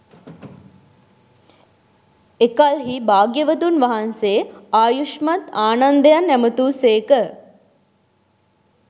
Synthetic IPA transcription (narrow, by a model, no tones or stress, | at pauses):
ekalɦibaːɡjəʋət̪unʋaɦanseːaːjuʃmat̪aːnand̪əjanːæmət̪uːseːkə